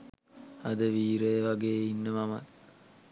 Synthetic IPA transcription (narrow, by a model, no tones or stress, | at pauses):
ad̪əʋiːɾejʋaɡeːinːəmama̰t̪̚